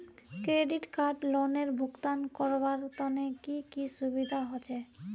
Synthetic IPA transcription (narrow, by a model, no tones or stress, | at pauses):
kɾeɖiʈkaɾɖloneɾbʱukt̪ankɔɾbaɾt̪ɔnekikiʃubid̪ʱaɦot͡ɕʰe